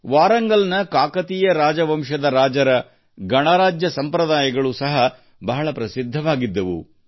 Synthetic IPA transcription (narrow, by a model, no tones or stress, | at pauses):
ʋaːɾɐŋɡɐlnɐkaːkɐt̪ijɐɾaːd͡ʒɐʋɐmʃɐd̪ɐɾaːd͡ʒɐɾɐ | ɡɐɳaːɾaːd͡ʒjɐsɐmpɾɐd̪aːjɐɡɐɭusɐɦɐ | bɐɦɐɭɐpɾɐsid̪ʱːɐʋaːɡid̪ːɐʋṵ